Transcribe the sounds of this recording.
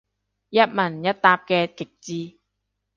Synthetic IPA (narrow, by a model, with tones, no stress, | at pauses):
jɐ˥t̚mɐ˨˩njɐ˥t̚t̪aː˧p̚kɛː˧kɪ˨k̚t͡siː˧